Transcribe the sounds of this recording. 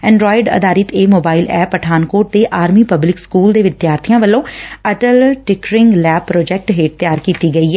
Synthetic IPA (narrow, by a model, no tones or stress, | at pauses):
ɛ̃ːɳɖɾɔːɪɖə̰d̪aːɾɪt̪eːmoːbaːɪlɛːpəʈʰaːnkoːʈ̚d̪eːʔaːɾmiːpəblɪkskuːld̪eːʋɪt̪jaːɾt̪ʰijãːʋəlːõːəʈəlʈɪkɾɪ̃ŋɡlɛːpːɾoːd͡ʒɛk̚ʈɦeːʈ̚t̪jaːɾkiːt̪iːɡəiːɛː